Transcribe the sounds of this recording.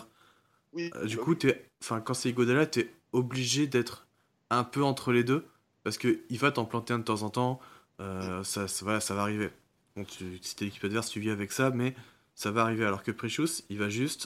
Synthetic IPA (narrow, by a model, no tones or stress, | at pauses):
d̪ykut̪yɛɑ̃fɛ̃kɑ̃sɛiɡod̪alat̪yɛ | ɔbliʒed̪ɛt̪χ | ɛ̃pøɑ̃t̪χəled̪ø | paʁsə̥kəilvat̪ɑ̃plɑ̃t̪eɛ̃d̪ət̪ɑ̃zɑ̃t̪ɑ̃ | øsasvwalasavaːʁive | kɔ̃t̪ysi̥t̪ɛlekʲipad̪vɛʁst̪yviavɛksamɛ | savaːʁivealɔʁkəpχiʃusilvaʒyst̪